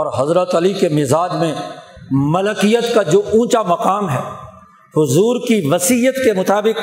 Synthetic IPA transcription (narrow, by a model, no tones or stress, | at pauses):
ɔːɾɦɐzɾət̪ɐlikemɪzaːd͡ʒmẽ | mɐləkijət̪kad͡ʒoːʔũːt͡ʃamɐqaːmɦɛː | hʊzuːɾkiʋɐsijət̪kemʊt̪aːbɪk